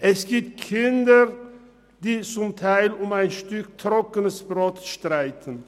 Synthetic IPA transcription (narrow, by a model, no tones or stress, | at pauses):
ʔɛsɡ̥iːp̚t̚kʰɪndə | d̥iːt͡sʊmtʰaɪlʊmaɪnʃtʏktʰʁ̥ɔkənəsb̥ʁɔtʃtʁaɪtʰən